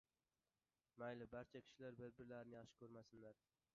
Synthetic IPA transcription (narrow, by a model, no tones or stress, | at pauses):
majlɪbaɾt͡ʃʰakʲʰɪ̥ʃɪlaɾbɪɾbɪɾlaɾɪnɪjɑχʃɪ̥kʰɵɾmasɪnlaɾ